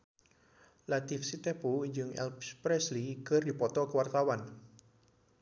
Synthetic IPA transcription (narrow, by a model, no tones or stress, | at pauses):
lat̪ifsit̪ɛpuiɲd͡ʒəŋɛ̰lpspɾɛslikərd̪i̤pɔt̪ɔkəwart̪awan